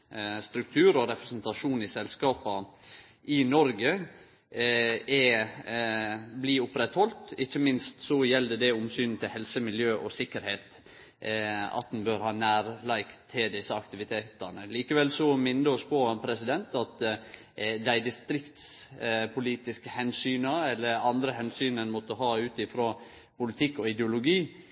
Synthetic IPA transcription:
st̪ɾʉk̚t̪ʰʉːɾɔɾɛpɾɛsnt̪ɑʂuːnɪsɛlskɑːpɑ | ʔɪnɔɾɡə | ɛ | bliːʊpɾɛt̪hɔlt̪ɪçːəmɪnst̪sɔjɛld̪əd̪ɛʊmsyːnn̩t̪ʰɪlhɛlsəmɪljøːʔɔsɪkːəɾheːt̪ | ɑ̰t̪̚d̪ɛn̩bøːɾhɑːnæːɾlæɪkt̪ʰːɪld̪ɪsːəɑkt̪ɪʋɪt̪ʰeːt̪ənəliːkəʋɛlsɔmɪnd̪əɔspʰɔpʰɾɛsɪd̪ɛnt̪ɑt̪ | d̪æɪd̪ɪst̪ɾɪkt̪spʰʊliːt̪ɪskəhɛnsyːnəɛlːəɾɑnd̪ɾəhɛnsyːnənmɔt̪ːəhɑːʉːt̪ɪfɾoː | pʊlɪt̪ʰɪkːɔɪd̪ɛʊlʊɡiː

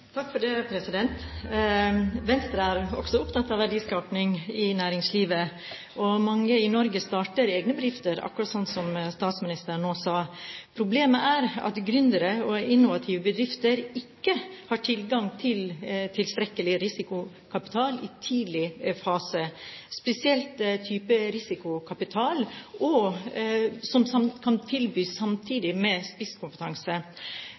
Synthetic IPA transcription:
t̪ʰɑkːfɔɖɛpʰɾɛsɪd̪ɛnt̪ | ʋɛnst̪ɾəæɾɔ̰ksɔʊpt̪ʰɑt̪ːɑʋæɖiːskɑːpnɪŋɪnæːɾɪŋsliːʋə | ʔɔmɑŋːəɪnɔɾɡəst̪ɑːʈəɾeːɡnəbəd̪ɾɪft̪əɾɑ̰kʉɾɑt̪sɔnt̪sɔmst̪ɑːt̪smɪnɪst̪əɾɳːoːsɑːpʰɾʊbleːməʔæɾɑ̰t̪ɡɾʏnd̪əɾəɔɪnːʊʋɑt̪ʰiːʋəbəd̪ɾɪft̪əɾɪkːəhɑːʈʰɪlɡɑŋt̪ʰɪlt̪ʰɪlst̪ɾɛkːəlɪɾɪsɪkʊ | kʰɑpɪ̥t̪ʰɑːlɪt̪ʰiːd̪lɪfɑːsəspɛsɪɛlt̪t̪ʰyːpəɾɪsɪkʊkʰɑpɪt̪ʰɑːlʔɔ | sɔmsɑkʰɑnt̪ʰɪlbyːsːɑmt̪ʰiːd̪ɪmɛspɪskʰʊmpət̪ʰɑŋsə

